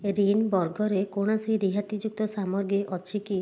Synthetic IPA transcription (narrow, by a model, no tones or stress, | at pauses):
ɾinbɔɾɡɔɾekoɽ̃asiɾiɦat̪id͡ʒuk̚t̪ɔsamɔɾɡiʔɔt͡ʃʰiki